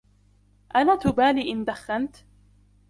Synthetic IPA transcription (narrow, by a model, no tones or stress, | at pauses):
ʔanaːt̪ʊbaːliːʔɪnd̪axːant̪